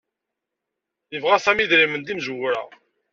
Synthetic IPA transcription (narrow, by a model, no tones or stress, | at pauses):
jəvʁæθæmiðɾimənd̪imʒəwɾæ̰